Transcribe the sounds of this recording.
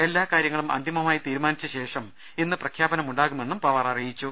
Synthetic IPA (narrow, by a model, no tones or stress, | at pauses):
e̞lːaːkaːɾjɐŋːɐɭumɐ̰nd̪ʱimɐmaːjit̪iːɾumaːnit͡ɕːɐɕe̞ːʂɐm | inːɨprɐkʰjaːbɐnɐmuɳɖaːɣume̞nːumpɐʋɐrɐrijit͡ɕːu